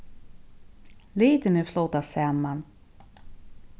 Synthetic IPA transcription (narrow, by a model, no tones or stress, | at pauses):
liːt̪ənəflɔt̪ːasɛmːan